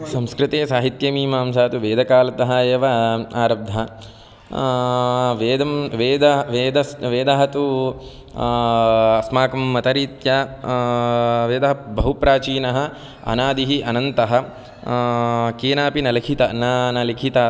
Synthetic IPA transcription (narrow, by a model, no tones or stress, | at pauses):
sɐmskɾɪt̪eːsaːɦit̪jɐmiːmaːmsaːt̪uʋeːd̪ɐkaːlɐt̪ɐɦɐjeːʋɐaːɾɐb̚d̪ʱɐ | ʋeːd̪ɐmʋeːd̪ɐʋeːd̪ɐsʋeːd̪ɐɦɐt̪u | ɐsmaːkɐmːɐt̪ɐɾiːt̪ja | ʋeːd̪ɐɦɐbɐɦupɾaːt͡ʃiːnɐɦɐ̆ | ɐ̰naːd̪iɦiʔɐnɐnt̪ɐɦɐ̆ | keːnaːpinɐlɐkʰit̪ɐnaːnɐlikʰit̪a